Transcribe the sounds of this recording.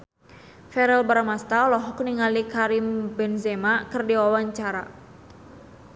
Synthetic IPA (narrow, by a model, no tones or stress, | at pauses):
fɛɾɛlbaɾamast̪alɔɦɔkniŋalikaɾimbɛnzɛmakɨrdiwawaɲt͡ʃaɾa